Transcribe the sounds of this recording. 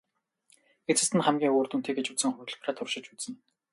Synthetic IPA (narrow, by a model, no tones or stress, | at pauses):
et͡sɘ̆st̪ʰɘ̆nχæmɡʲiːŋoːrt̪unt̪ʰeːɡet͡ɕusɘ̆ŋχʊjɵ̆ɮpraːt̪ʰʊrʃɪ̆t͡ɕut͡ssɘ̆n